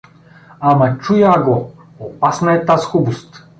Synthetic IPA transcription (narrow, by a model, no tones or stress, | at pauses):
amɐt͡ʃujaːɡo | opasnaɛt̪asxubust̪